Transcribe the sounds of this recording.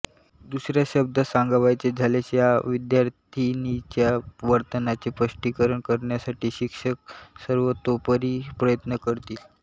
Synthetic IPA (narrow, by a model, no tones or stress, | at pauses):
d̪usɾjaɕəb̚d̪əsaŋɡaʋajt͡sed͡zʱaleɕjaʋid̪jaɾt̪ʰinit͡ɕjaʋəɾt̪ənat͡sepəʂʈikəɾəɳkəɾɳjasaʈiːɕikʂək̚səɾʋət̪opəɾiːpɾəjət̪nəkəɾt̪iːl